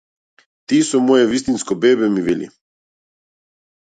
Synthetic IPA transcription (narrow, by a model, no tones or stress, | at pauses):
t̪iːsumojeʋist̪inskobeːbemiʋilʲḭ